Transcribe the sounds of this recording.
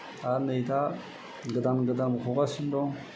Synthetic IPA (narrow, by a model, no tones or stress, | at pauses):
anajta | ɡədanɡədamkukasindoŋ